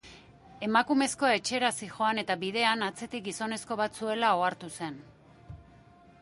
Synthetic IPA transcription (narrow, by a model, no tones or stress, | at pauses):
e̞makume̞sko̞e̞t͡ʃe̞ɾasixo̞ane̞t̪aβiðe̞anat͡se̞t̪ik̚ɡiso̞ne̞sko̞βat̪t͡sue̞lao̞aɾt̪use̞n